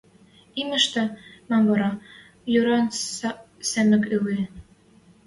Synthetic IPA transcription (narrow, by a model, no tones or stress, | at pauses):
imɘ̆ʃt̪æ̆mæmβɑɾɑ | jøɾɑn | sæmɘ̆køle